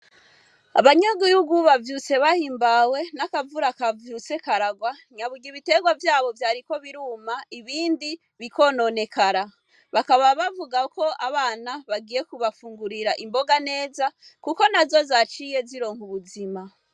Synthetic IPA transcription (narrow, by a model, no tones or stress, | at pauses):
a̰βaɲoɡujuɡuβavjut͡se̞βahiːmbawe̞nakavuɾakavjut͡se̞kaɾaɡwaɲaβuɡiβite̞ɡwavjaːβo̞vjaːɾiko̞βiɾuːmaiβiːndi | βiko̞no̞ne̞kaɾa | βakaβaβavuɡako̞ʔaβaːnaβaɡiːje̞kuβafuːŋɡuɾiɾaʔimbo̞ɡane̞ːzakuko̞nazo̞zat͡ʃije̞ziɾo̞ːŋhuβuzima